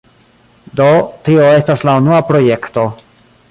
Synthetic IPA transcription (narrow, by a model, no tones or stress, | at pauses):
do̞tio̞e̞staslaunuapɾo̞je̞kto̞